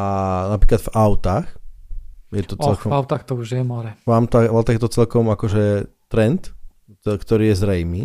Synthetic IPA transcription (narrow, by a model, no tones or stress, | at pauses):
anapɾiːklad̪vaʊt̪ax | jɛɔt͡sɛlkɔvaʊt̪axt̪ɔuʒjɛmɔɾɛmamt̪aaʊt̪aɣjɛt̪ɔt͡sɛlkɔmakɔʒɛt̪ɾɛnt̪ | kt̪ɔɾiːjɛzɾɛjmiː